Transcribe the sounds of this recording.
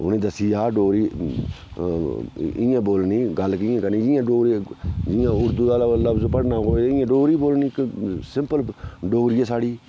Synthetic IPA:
ʊ̰nẽːd̪əsiːaːɖoːɾiː | ɪãːboːlniːɡəlːkɪjãːkəɾnĩːd͡ʒɪjãːɖoːɾid͡ʒɪjãːʊɾd̪uːd̪aːlaəlːaspəɽnaːɦoːeɪjãːɖoːɾiːboːlniːksɪmpəlɖoːɾiːɛːsaːɽiː

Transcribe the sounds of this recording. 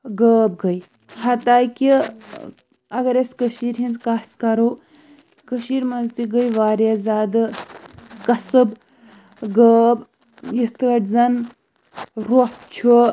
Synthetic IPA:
ɡəːb̚ɡɐj | hɐt̪aːjki | ɐɡɐɾeskəʃiːɾɦint͡skaːskɐɾoː | kəʃiːɾmɐnzt̪iɡəjʋaːɾazaːd̪ɨ | kɐsɨb | ɡəːb | jit̪ʰɐʈzɐn | ɾopt͡ʃʰu

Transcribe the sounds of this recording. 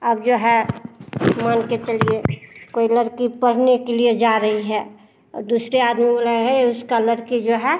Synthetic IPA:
əbd͡ʒoɦɛ | manket͡ʃəliekoːiləɾkipəɽ̤nekelied͡ʒaɾəɦiɦɛ | ɔ̰ːɾd̪usɾeaːd̪mibolaɦɛʊskaləɾkid͡ʒoɦɛ

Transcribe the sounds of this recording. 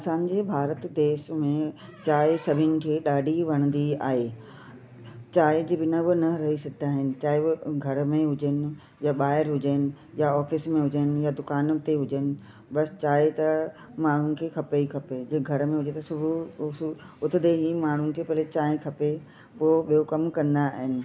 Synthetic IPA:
ɐsãːɲ̆d͡ʑebʱaːɾət̪d̪eːsmẽ | t͡ɕaːɪsɐbʱɪnɪ̆kʰeːɗaːɖʱiʋɐɽ̃ə̃nd̪ia̰ːɦe | t͡ɕaːɪd͡ʑiʋɪnəʋʊnɐɾɐɦisɐɡʱɪd̪aːɦɪnɪ̆t͡ɕaːɪɡʱɐɾmẽɦʊd͡ʑənɪ̆ | jaɓaːɦɪɾɦʊd͡ʑənɪ̆ | jaɔːfɪsmẽɦʊd͡ʑənɪ̆jad̪ʊkaːnt̪eɦʊd͡ʑənɪ̆ | ɓɐst͡ɕaːɪt̪ɐ | maːɳ̤ʊnɪ̆kʰeːkʰɐpeikʰɐped͡ʑɐɡʱɐɾmẽɦʊd͡ʑet̪ɐsʊbʱʊ | ʊt̪ʰɪd̪eɦimaːɳ̤ʊnɪ̆kʰeːpɐlet͡ɕaːɦɪ̃kʰɐpe | poːɓijokɐmkɐ̃nd̪aɦɪnɪ̆

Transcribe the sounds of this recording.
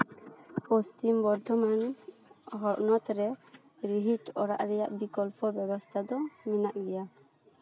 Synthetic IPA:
pɔst̪imbɔɾd̪ʱɔman | ɦɔɾnɔt̪ɾɛ | ɾiɦiʈɔɾaʔɾɛjaʔbikɔlpɔbɛbɔst̪ʰad̪ɔminaʔɡɛja

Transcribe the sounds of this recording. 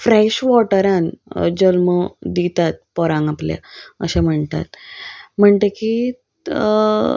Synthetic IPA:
fɾɛɕʋɔʈəɾãnd͡ʑəlməd̪it̪at̪̚pɔɾãŋɡaplja̰ə̰ɕẽm̤əɳt̪a̰t̪m̤əɳt̪eki

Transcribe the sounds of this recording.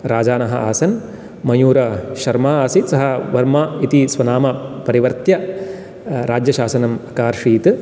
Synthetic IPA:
ɾaːd͡ʒaːnɐɦɐʔaːsɐn | mɐjuːɾɐʃɐɾmaːaːsisɐɦɐʋɐɾmaːit̪isʋɐnaːmɐpɐɾiʋɐɾt̪jɐ | ɾaːd͡ʒjɐʃaːsɐnɐmɐkaːɾʂiːt̪

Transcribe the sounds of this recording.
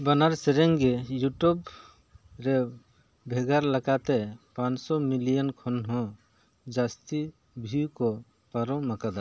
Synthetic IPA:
banaɾsɛɾɛŋɡɛjuʈub | ɾɛ | bʱɛɡaɾlakat̪ɛpãnsɔmilijɔnkʰɔnɦɔ̃ | d͡ʒast̪i | bʱiwkɔ | paɾɔmakad̪a

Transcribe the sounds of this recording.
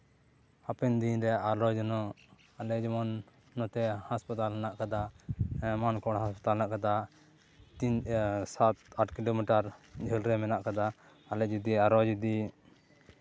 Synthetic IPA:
apɛnd̪iɲɾɛʔaɾɔd͡ʒnɔ | alɛd͡ʒɔmɔnː | ɔt̪ɛhaspat̪alanaʔkad̪a | mankɔɽɦaspḁt̪alanaʔkad̪a | t̪insat̪aʈkilomiʈaɾd͡ʒʱəlɾɛmɛnaʔkad̪aː | lɛd͡ʒud̪iaɾɔd͡ʒud̪i

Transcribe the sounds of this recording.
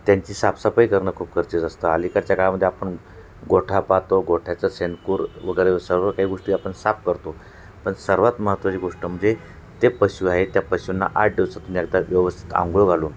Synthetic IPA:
t̪jaɲt͡ɕiːsapsapəikəɾɳəːkʰuːpkʰəɾt͡ɕed͡zəst̪əa̰likaɾt͡ɕjakaɭaməd̪ʱːjeapəɳ | ɡoʈʰapat̪oɡoʈʰjat͡səsenkuːɾʋəɡəɾesəɾʋəkaɦiːɡoʂʈiːapəɳsap̚kəɾt̪o | pəɳsəɾʋat̪məɦət̪ʋat͡ɕeɡoʂʈəm̤əɳd͡ze | t̪epəɕuːaɦet̪japəɕunːa̰ʔaʈ̚ɖeʋt͡sat̪umiɛk̚d̪aʋjəʋəst̪ʰi̥t̪a̰ŋɡɭoɡʱaluːn

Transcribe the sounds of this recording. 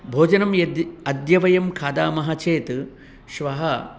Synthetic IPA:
bʱoːd͡ʒɐnɐmjɐd̪ɐd̪jɐʋɐjɐmkʰaːd̪aːmɐɦɐt͡ʃeːt̪ | ʃʋɐɦɐ

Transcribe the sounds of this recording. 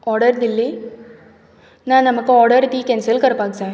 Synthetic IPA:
ɔːɽɐɾd̪ɪlːi | nãːnɐmɐkːɯ̃ɔːɽɐɾt̪iːkɛːnsɐlkɐɾɐpaːɡsɛ̃ː

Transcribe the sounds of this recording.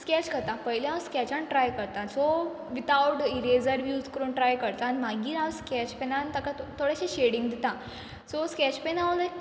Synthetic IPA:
skɛt͡ɕkəɾt̪apəɦiljawskɛt͡ɕaɳʈɾajkəɾt̪asɔ | ʋit̪awʈiɾed͡zəɾʋjuːt̪kəɾuːnʈɾajkəɾt̪aːnim̤aɡiːɾawskɛt͡ɕpɛnant̪akat̪ʰːoɽjaɕeɕeɽiŋɡd̪it̪ã | sɔskɛt͡ɕpenaʋlə

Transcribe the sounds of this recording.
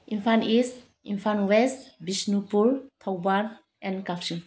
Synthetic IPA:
impʰanis | impʰanwestbisnupuɾtʰawban | ɛ̃nkapsin

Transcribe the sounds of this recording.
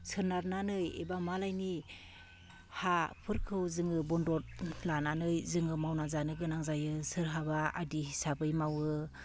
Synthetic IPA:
sʰɯɾnaɾnanɯjḛbamalajni | hapʰɯɾkʰɯwzɯŋɯbɔndɔt̚lananɯjzɯŋɯmawnazanɯɡɯnaŋzajɯsɯɾɦabaa̰diɦisabɯjmawɯ

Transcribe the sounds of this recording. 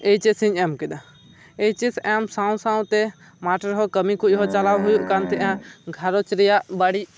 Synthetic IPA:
eit͡ʃesĩɲɛmkɛɗ̪a | et͡ʃisɛmsãw̃sãw̃t̪ɛ | maʈəɾɦɔkəmikɔjɦɔt͡ʃalawɦʊjuʔkant̪ɛʔãɡʱaɾɔt͡ʃɾɛjaʔbaɽi

